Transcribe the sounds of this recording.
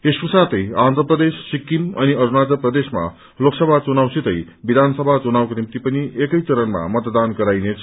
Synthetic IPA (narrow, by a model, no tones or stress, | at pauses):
esprʌsat̪ʌjand̪ʱrəprʌd̪esːikːimʌniʌɾunad͡zʌprʌd̪esma̰ | loksʌbʱat͡sunawsit̪ʌj | bid̪ʱansʌbʱat͡sunawkonimt̪ipʌniekʌjt͡sʌɾənma̰mʌt̪d̪anɡʌɾajnet͡sʰ